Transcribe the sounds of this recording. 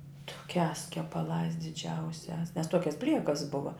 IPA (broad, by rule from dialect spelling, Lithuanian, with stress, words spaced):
tʊˈkʲæːs kʲɛpɐˈlˠɑːs dʲɪˈd͡ʒʲɛʊsʲæːs nʲɛs ˈtuɔkʲɛs ˈbʲlʲiɛkɐs ˈbʊʋɐ